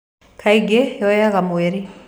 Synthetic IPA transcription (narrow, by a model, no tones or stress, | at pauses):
kʰaiɡejɔjaɣamweɾi